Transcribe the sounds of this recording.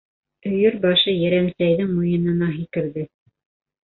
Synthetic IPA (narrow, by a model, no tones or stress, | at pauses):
ɵ̆jɵɾbɑʃɤjæɾæmsæjðɘŋmujɤ̆nɤ̆nɑɦikɘ̆ɾðɘ